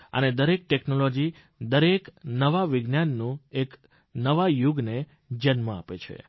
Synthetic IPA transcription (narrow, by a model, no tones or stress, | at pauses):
ə̰ned̪əɾek̚ʈeknolod͡ʒi | d̪əɾeknəʋaʋɪɡnjanːũek | nəʋajuɡne | d͡ʒənmãa̰pet͡ʃʰḛ